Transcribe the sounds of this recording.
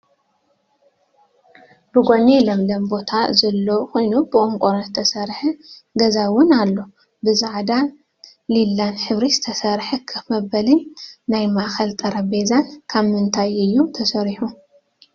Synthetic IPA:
bɨɡʷonelɐmlɐmbo̞t̪ʰazɐlːokʰo̞jnubɨkʼoŋkʼoɾt̪ʰːɐsɐɾħɐɡɐzawʊnalːo | bɨzaʕd̪a | lilːanħɨβɾiz̥ɨt̪ʰɐsɐɾħɐkʰɨmɐbɐlinnajmaxɐlt̪ʼɐɾɐbezankʰaβmɨnt̪ʰajɨjːut̪ʰɐsɐɾiħu

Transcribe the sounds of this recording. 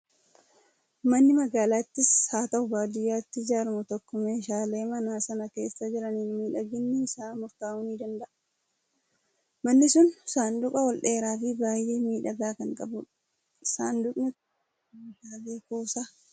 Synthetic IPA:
mɐnːɪmɐɡaːlaːt̪ːɪshaːt̪ɐhʊbaːd̪ʊjːaːt̪ːɪd͡ʒaːɾmʊt̪ɔkːɔmeːʃaːle̞ːmɐnaːsɐnɐke̞ːsːɐd͡ʒɪɾɐniːnmiːᶑɐɡɪnːɪɪsaːmʊɾt̪aːʊniːd̪ɐnd̪ɐʔɐ | mɐnːɪsʊnsaːnd̪ʊkʼɐwɔlᶑeːɾaːfibaːjʔeːmiːᶑɐɡaːkɐŋkʼɐbʊᶑɐ | ɪsaːnd̪ʊkʼnɪ | ʃaːbeːkuːsaː

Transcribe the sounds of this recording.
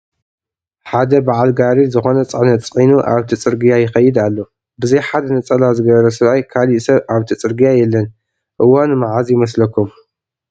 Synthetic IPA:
ħad̪ɐbaʕalɡaɾizɨxo̞nɐt͡sʼɨʕnɐt̪t͡sʼinuʔaβt̪ʰit͡sʼɨɾɡɨjajɪxɐjːɪd̪alːo̞ | bɨzɐjħad̪ɐnɐt͡sʼɐlazɨɡɐβɐɾɐsɨβajkʰaliʔsɐβʔaβt̪ʰit͡sʼɨɾɡɨjajɛlːɐn | ʔɨwːanmaʕazjɪmɐs̬lɐkːum

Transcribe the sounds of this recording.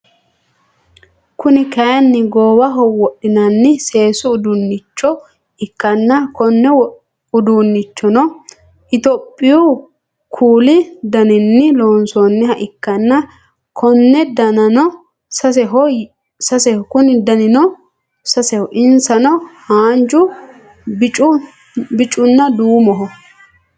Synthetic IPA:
kʊnɪkɐjɐnːɪɡoːwɐɦɔwɔɗɪnɐnːɪse̞ːsʊʊd̪unːɪt͡ʃːɔ | ɪkːɐnːɐkɔnːɛ | ʊd̪uːnːɪt͡ʃːɔnɔ | ɪt̪ɔpʼːɪju | kʰuːlɪd̪ɐnɪnːɪloːnsɔnːɛhɐʔɪkːɐnːɐ | kʰɔnːɛd̪ɐnɐnɔ | sɐsɛɦɔ | sɐsɛhɔkʊnɪd̪ɐnɪnɔ | sɐsɛhɔʔɪnsɐnɔhaːnd͡ʒʊ | t͡ʃʼʊ | bɪt͡ʃʼːʊnːɐd̪uːmɔɦɔ

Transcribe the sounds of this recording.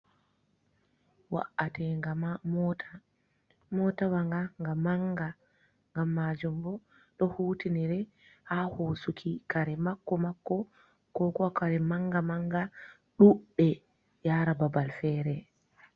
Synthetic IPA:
wa̰ʔatɛŋɡamamɔta | mɔtawaŋɡaŋɡamaŋɡa | ŋɡamːaːd͡ʒumbɔ | ɗɔhuːtiniɾɛ | hahoːsukʰikaɾɛmakːɔmakːɔ | kɔkɔakaɾɛmaŋɡamaŋɡa | ɗuɓɛ | jaːɾababalfɛːɾɛ

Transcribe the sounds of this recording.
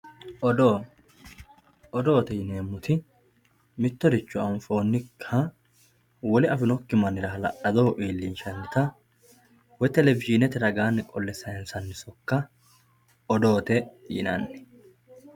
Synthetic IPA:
ɔd̪o | ɔd̪o̞ːt̪ɛjɪneːmːʊt̪ʰɪ | mɪt̪ːɔd̪ɪt͡ʃːʊɐnfo̞ːnːɪkʰːɐ | wɔlɪɐfɪnɔkːɪmɐnɪɾɐɦɐlɐ̰ʔɐd̪o̞ːʔeːlːiːnʃɐnːɪt̪ɐ | wɔjt̪ɛlɛvɪʒɪnɛt̪ɪɾɐɡaːnːɪkʼɔlːɛsːɐhɛnsɐnːɪsɔkːɐ | ɔd̪o̞ːt̪ɛɪ̰nɐ̰nː

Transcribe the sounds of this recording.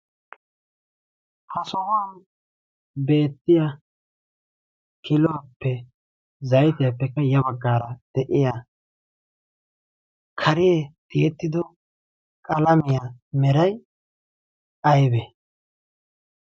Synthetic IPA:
hɐsɔhɔan | be̞ːt̪ːɪja | kʰɪlɔwapːɛ | zɐjt̪ɪjapːɛkːɐjɐbɐɡːaːɾɐd̪̥ɛʔɪja | kʰɐɾɪjet̪ɪjɛt̪ːɪd̪ɔ | kʼɐlɐmɪjamɛɾɐj | ɐjbɛ

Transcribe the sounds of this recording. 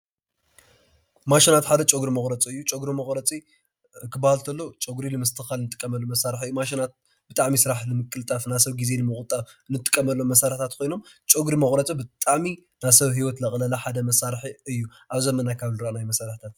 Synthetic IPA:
maʃinat̪ħad̪ɐt͡ʃʼoɡɾimɐχʼɾɐt͡sʼiɨjːut͡ʃʼoɡɾumɐχʼɾɐt͡sʼi | kʰɨbahlt̪ʰɐlːot͡ʃʼoɡɾilɨmɐst̪ʰɨxalnɨt̪ʼɨ̥kʼːɐmɐlːomɐsaɾħɨjːumaʃ̬inat̪̚ | b̥ɨt̪ʼaʕmisɨɾaħlɨmɨkʼːɨlt̪ʼafnasɐβɡize̞nɨmɨχʼt̪ʼanɨt̪ʼːɨ̥kʼːɐmɐlːomɐsaɾħt̪ʰat̪kʰo̞jno̞mt͡ʃʼoɡɾimɐxʼɾɐt͡sʼibɨt̪ʼaʕminasɐβɦiwɐt̪lɐχʼlɐlɐħad̪ɐmɐsaɾħiɨjːuʔaβzɐmːɐnajkʰaβlɨɾanajmɐsaɾħit̪ʰat̪̚

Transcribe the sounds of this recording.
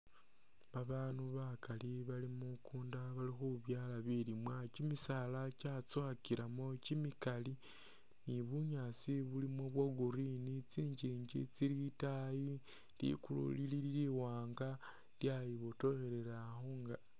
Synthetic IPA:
βaβaːnuβakaliβalimukuːndaβalixuβjaːlaβilimwacimisalacat͡swakiɾamo̞cimikali | niβuɲat͡siβulimo̞βwaɡuɾinit͡siːɲd͡ʒiːɲd͡ʒit͡silitaji | lḭkulṵlilililiwaːŋɡa | ljajiβo̞to̞xe̞ɾe̞ɾaxoŋɡa

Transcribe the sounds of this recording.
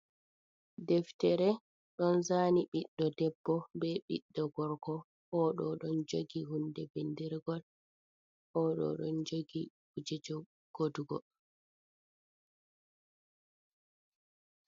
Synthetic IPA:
dɛftɛɾɛ | ɗɔnzaːniɓiɗːɔdɛbːɔbɛɓḭɗːɔɡɔɾkɔ | hɔɗɔɗɔnd͡ʒoɡihundɛbendiɾɡɔl | ʔɔɗɔ̰ɗɔ̰nd͡ʒoɡi | ɡ̥ud͡ʒɛd͡ʒɔ | ɡ̥oduɡɔ̰

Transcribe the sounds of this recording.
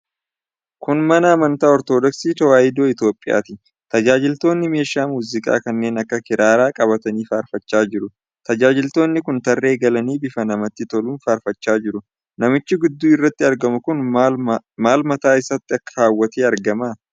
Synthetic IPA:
kʊnmɐnɐɐmɐnt̪aːɔɾt̪oːd̪ɔksiːt̪ɐwaːjɪd̪oːɪt̪jo̞ːpʼːɪja̰ːt̪ɪ | t̪ɐd͡ʒaːd͡ʒɪlt̪o̞ːnːɪme̞ːʃaːmuːzɪkʼa̰ːkɐnːe̞ːnɐkːɐkɪɾʔaːɾaːkʼɐbɐt̪ɐniːfaːɾfɐt͡ʃːaːd͡ʒɪɾʊ | t̪ɐd͡ʒaːd͡ʒɪlt̪o̞ːnːɪkʊnt̪ɐrːe̞ːɡɐlɐniːbɪfɐnɐmɐt̪ːɪt̪ɔluːnfaːɾfɐt͡ʃːaːd͡ʒɪɾʊ | nɐmɪt͡ʃːɪɡʊd̪ːuːɪrːɐt̪ːɪɐɾɡɐmʊkʊn | maːlmɐt̪aːɪsɐt̪ːɪɐkːɐaːwːɐt̪eːɐɾɡɐmaː

